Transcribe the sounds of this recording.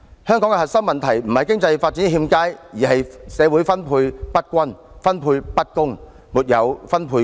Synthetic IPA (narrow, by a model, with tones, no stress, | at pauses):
hœː˥ŋkɔː˨˥ŋkɛ˧ɦɐ˨t̚sɐ˥ŋmɐ˨nt̪ʰɐ˨˩jm̩˨˩hɐ˨jkɪ˥ŋt͡sɐ˧jfa˧t̚t͡siː˨˥n˥ɦiː˧mkaː˥jjiː˨˩hɐ˨jsɛː˨˧wuː˨˥jfɐ˥npʰuː˧jpɐ˥t̚kʷɐ˥n | fɐ˥npʰuː˧jpɐ˥t̚kʊ˥ŋ | muː˨˩t̚jɐ˨˧wfɐ˥npʰuː˧